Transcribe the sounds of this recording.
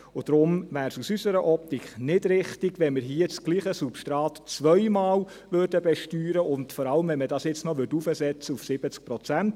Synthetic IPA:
ʊd̥ɾʊmʋæːɾsusysəɾəʔɔp̚tikχnɪdɾɪχtɪɡʋɛnmɪɾɦiət͡sɡ̥liːχəsupʃtɾɑːtt͡sʋœʏmɑːl | ʋørdəbɛʃtyːɾəʔʊndfɔɾɑləmʋɛnmədɑːsjɪt͡snɔʋʏdufəsɛt͡səufsɪb̥ət͡sk̚pɾɔt͡sænt

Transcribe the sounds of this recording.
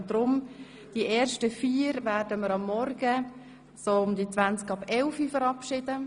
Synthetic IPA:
dɾʊm | d̥iʔeːɾʃtəfiːəɾvæːrdəməɾɑmːɔrɡə | soːʊmdit͡svant͡skɑbɛlfifəɾɑpʃɪdə

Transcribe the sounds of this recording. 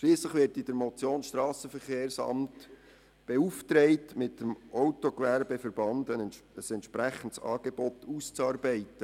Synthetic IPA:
ʃliːsləχʋɪɾtid̥əɾmɔt͡sjoːnsʃtrɑːsəfəɾχeːrsɑ̰mt | b̥euftɾɛɪtmɪtːəmʔɔʊtokʋæɾbəfəɾb̥ɑndənəsɛntʃpɾæχəntsɑ̰ːɡ̥ebɔtuːst͡sɑːɾbɛɪtə

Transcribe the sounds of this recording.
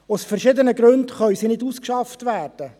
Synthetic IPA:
ʊsfɛrʃɪdənəɡɾɵndχœʏsinɪduːskʃɑftʋæːrd̥ə

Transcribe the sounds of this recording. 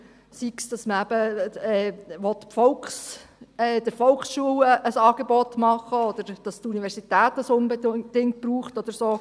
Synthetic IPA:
siksd̥ɑsməæb̥əɛːʋɔt̪pfɔlkχsɛːd̥̪ɪɾfɔlksʃuələsɑːɡ̥ebɔtmɑχːəɔd̥̪əɾd̥ɑst̪uniʋɛɾsitæːt̪əsʊnbed̥ɪŋt̚b̥ɾuːχtɔd̥̪əɾsoː

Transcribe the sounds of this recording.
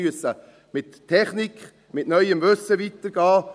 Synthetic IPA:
yəsə | mɪtʰːɛχnik | mɪtnœʏəmʋøsəvit̪əɾɡ̥ɑː

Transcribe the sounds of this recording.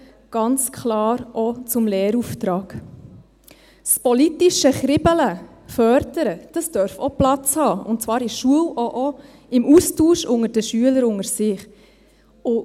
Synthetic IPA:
ɡ̥ɑnt͡skʰlɑːɾʔɔt͡sʊmlɛːɾuft̪ɾɑːɡ̥ | spɔlitiʃəχɾɪbələ | fœɾdəɾəd̥ɑsd̥œɾfɔplɑt͡shɑːʊ̰ntt͡svɑːɾɪʃuəlɔʔɔ | ɪmustuːʃʊŋəɾd̥əʃyələɾʊŋəɾsɪχ | ʊ

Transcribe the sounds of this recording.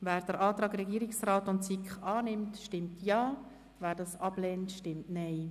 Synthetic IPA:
væːɾd̥əɾʔɑːt̪ɾɑːɡɾɛɡiːɾɪksraːtʊntt͡sikχɑːnɪmtʃtɪmtʰjɑː | væːɾdɑːsɑb̥lɛntʃtɪmtnɛɪ

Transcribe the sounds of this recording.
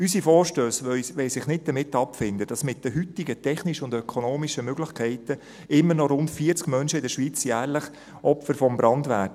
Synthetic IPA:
ysifɔːɾʃtøːsœʋɛɪsɪχnɪt̚d̥̪əmɪtːɑpfɪndəd̥ɑsmɪt̚d̥əɦytɪɡətʰɛχniʃəʊndœkʰɔnoːmiʃəmøɡlɪχkʰɛɪtə | ɪmːənɔɾʊntfiːəɾt͡skmœnʃəɪdəʃʋiːt͡sjæːɾləχ | ʔɔpfəɾfɔmbɾɑndʋæ̰t

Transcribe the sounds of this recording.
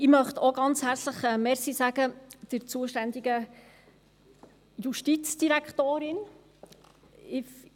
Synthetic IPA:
ɪmœχt̪oɡɑnt͡shæɾt͡sləχɛmɛɾsisæɡ̥əd̪̥əɾt͡suəʃtænd̪iɡə | juʃtit͡sd̥iɾækʰt̪oːɾɪn | ɪf

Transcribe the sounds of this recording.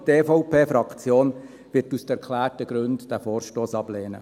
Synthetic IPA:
teːfɔʊpʰeːfɾɑkt͡sjoːn | ʋɪtusd̥ɛɾkʰlæːrtəɡ̥ɾɵndd̥æfoːɾʃtoːsɑb̥leːnə̰

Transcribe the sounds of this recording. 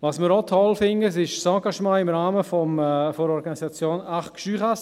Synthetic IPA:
ʋɑsmɪɾɔt̪ʰɔlfɪnəs̬ɪʃsɑ̃ɡɑʃmɑ̃ːɪmɾaːməfɔmfoɾɔɾɡɑnisɑt͡sjoːnaχkʃyːχas

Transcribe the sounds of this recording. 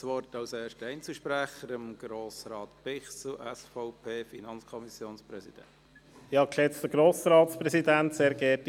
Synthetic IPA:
sʋɔɾtɑʊseːʃtəɛɪnt͡səʃpɾæχəɾəmɡ̥ɾoːsɾɑːtpɪχsl̩ʔɛsfɔʊpʰeːfinɑnt͡skʰɔmisjoːnspɾɛsid̥ɛ̰nt | ɪhɑkʃɛt͡st̪əɡ̥ɾoːsɾɑːt̪spɾɛsid̪ænt̪seːɾɡɛːt

